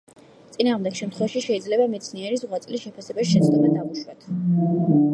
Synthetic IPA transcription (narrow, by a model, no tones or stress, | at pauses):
t̪sʼinaːʁmd̪ɛɡʃɛmt̪ʰχwɛvaʃiʃɛid̪zlɛbamɛt̪sʰniɛɾizʁwat̪sʼlisʃɛpʰasɛbasʃɛt̪sʰd̪mɛd̪auʃwat̪ʰ